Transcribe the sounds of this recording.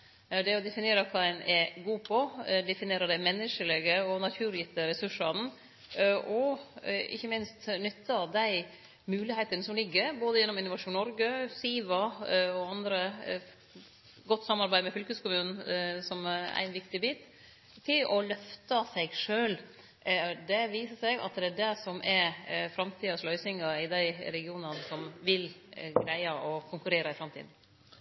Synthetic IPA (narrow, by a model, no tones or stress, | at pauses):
d̪ɛɔd̪ɛfɪneːɾəkʰɑːænʔɛɡuːpʰɔd̪ɛfɪneːɾəd̪æɪmɛnːəʂəlɛɡəɔnɑt̪ʰʉːɾjɪt̪ːəɾɛsʉʂɑn | ʔɔ | ɪ̰çːəmɪnst̪nʏt̪ːɑd̪æɪ | mʉːlɪheːt̪ənəsɔmlɪɡːəɾboːd̪əjɛnːɔmɪnːʊʋɑʂuːnɔɾɡəsiːʋɑɔɑnd̪ɾə | ɡɔt̪ːsɑmːɑɾbæɪmɛfʏlkʉskʊmʉːnn̩sɔm̰æ̰ɪnʋɪkt̪ɪbiːt̪ | t̪ʰɪlɔlœft̪ɑsɛɪɡʂøːl | d̪ɛʋiːsəsɛɡɑ̰t̪d̪ɛæɖɛsɔmʔɛɾfɾɑmt̪ʰiːɑslœʏsɪŋɑɪd̪æɪɾɛɡɪuːnɑnsɔmʋɪlɡɾæɪɑʔɔkʰʊŋkʉɾeːɾɑɪfɾɑmt̪ḭːd̪n̩